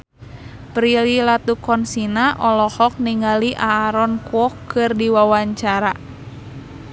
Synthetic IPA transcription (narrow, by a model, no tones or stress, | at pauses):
pɾililat̪ukɔnsinaʔɔlɔhɔk̚niŋaliʔaːɾɔnkuɔkɨrdiwawaɲt͡ʃaɾa